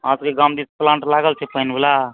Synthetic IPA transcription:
ãskeɡamd̪isplãɳʈlaɡəlt͡ʃʰɛpəɦnbela

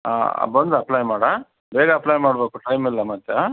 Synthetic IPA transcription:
a̰ːbɐnd̪uɐplɐjmaːɽa | beːɡɐːplɐjmaːɽbeːkuʈɐjmilːɐmɐt̪ːjɐ

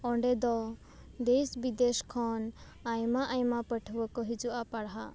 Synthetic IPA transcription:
ɔɳɖɛd̪ɔ | d̪esbid̪eʃkʰɔn | ajmaʔajmapəʈʰʋɔkɔɦid͡ʒuʔapaɽɦa̰

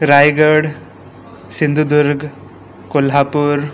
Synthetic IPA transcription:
ɾajɡəɽ | sind̪ʱud̪uɾɡ | kolɦaːpuɾ

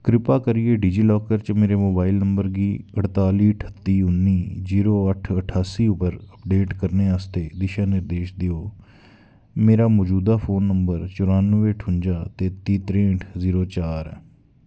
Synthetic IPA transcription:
kɾɪpaːkəɾieːɖiːd͡ʒiːlɔːkəɾt͡ʃmeːɾeːmoːbaːɪlnəmbəɾɡiːəʈt̪aːliːʈʰə̥t̪ːiːʊnːiːziːɾoːəʈʰəʈʰaːsiːʊpəɾəpɖeːʈkəɾneːaːst̪eːd̪ɪʃãːnɪɾd̪eːʃd̪eoː | meːɾaːmɔːd͡ʒuːd̪aːpʰoːnːəmbəɾt͡ʃʊɾãːnəʋeːʈʰʊɲd͡ʒaːt̪eːt̪iːt̪ɾẽːɳʈʰziːɾoːt͡ʃaːɾɛ̰ː

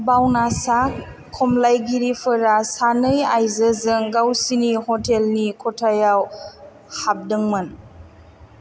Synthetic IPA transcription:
bawnasa | kʰːɔmlajɡiɾipʰɯɾasanɯjajzəzɯŋɡawsinihɔtʰelnikʰɔtʰajaw | hap̚dɯŋmɯn

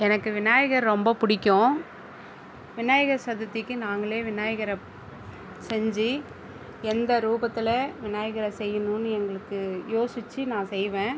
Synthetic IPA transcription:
ɛnɐkːɯʋɪnaːjɐɣɐɾɾɔmbɐpʊɽɪkʲːõ | ʋɪnaːjɐɣɐɾsɐd̪ɐt̪ːɪkːɯnaːŋɡɐɭeːʋɪnaːjɐɣɐɾɐ | sɛɲd͡ʒi | ɛnd̪ɐɾuːbɐt̪ːɪlɐʋɪnaːjɐɣɐɾɐsɛjːɐnunːɯɛŋɡɐɭɯkːɯjoːsɪt͡ʃːɯnãːsɛjʋẽː

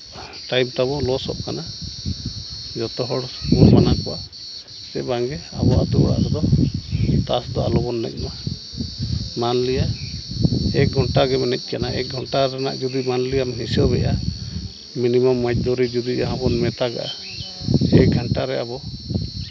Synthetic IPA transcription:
ʈajmt̪abɔlɔsɔ̰ʔ̚kana | d͡ʒɔt̪ɔɦɔɽuɾmanakɔʔa | sɛbaŋɡɛa̰bɔa̰t̪uɔɽa̰ʔɡɔd̪ɔ | t̪asd̪ɔʔa̰lɔbɔnːɛ̰c̚ˀma | manlija | ɛk̚ɡʱɔɳʈaɡɛmɛnɛc̚ˀkanaʔɛ̰k̚ɡʱɔɳʈaɾana̰ʔd͡ʒud̪imanlijamɦisɔbɛ̰ʔa | minimamːac̚ˀd̪ɔɾid͡ʒud̪iaãbɔnmɛt̪aɡa̰ʔa | ɛɡʱaɳʈaɾɛabɔ

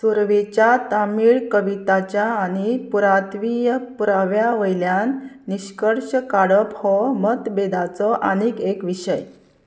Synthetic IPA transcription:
suɾʋet͡ɕjat̪amiːɭkəʋit̪at͡ɕjaːñipuɾat̪ʋijəpuɾaʋjaʋəjljanː | iɕkəɽɕəkaɽəphɔmət̪bed̪at͡sɔʔanikekʋiɕəj

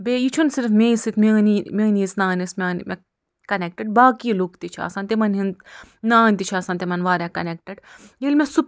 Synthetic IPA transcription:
bejit͡ʃʰunsiɾfmeːsit̪ʰmenimʲeːniːsnaːnismʲeːnmḛ | kɐnek̚ʈeɖ̚baːkiːlukt̪it͡ʃʰia̰ːsãnt̪imɐnɦint̪naːnʲt̪it͡ʃʰaːsaːnt̪emɐnʋaːɾakɐnek̚ʈeɖjelʲmesup

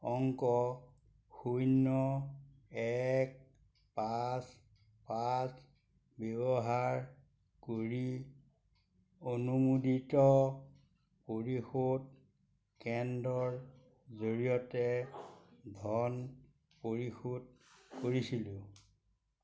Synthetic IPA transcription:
ɔŋkɔ | xujnɔ | ɛk̚ | pas | pas | bɛbɔɦaɹ | koɹi | onumuditɔ | poɹixod | kɛndɔɹ | zoɹijɔtɛ | dʱɔn | poɹixod̚koɹisilʊ̃

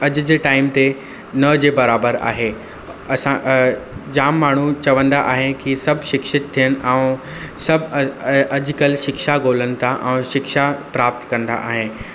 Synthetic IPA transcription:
ɐd͡ʑ̆d͡ʑeːʈaːɪmt̪e | nɐd͡ʑeːbɐɾaːbəɾa̰ːɦe | ɐsã | d͡ʑaːmːaːɳ̤ut͡ɕɐʋə̃nd̪aʔaːɦekisɐbʱʃɪkʃɪt̪̚t̪ʰːijəñɪ̆ʔɛ̃ | sɐbʱɐd͡ʑkəlʃɪkʃaɡoːlənɪ̆t̪ʰaʔɛ̃ːʃɪkʃapɾaːp̚t̪kɐ̃nd̪a̰ʔa̰ːɦe

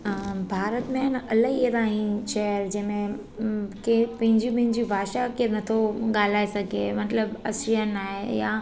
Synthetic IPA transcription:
bʱaːɾət̪mẽnʔɐləɦiet̪ãːɦĩʃɛəɾd͡ʑɐ̃ɦmẽ | kepɐ̃ɦɪ̃ɲd͡ʑũpɐ̃ɦɪ̃ɲd͡ʑibʱaːʃakenɐt̪ʰoɠaːl̤aːesɐɡʱemɐt̪ləbɐsɾijənːaːɦeja

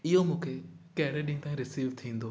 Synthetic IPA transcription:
ɪɦomũːkʰekɐɦɪɾeɗɪ̃ŋt̪aːɦĩɾɪsiːʋt̪ʰĩːn̆d̪oː

